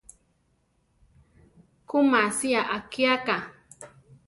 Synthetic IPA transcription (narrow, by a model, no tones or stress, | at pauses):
kʊmasijaʔakjaka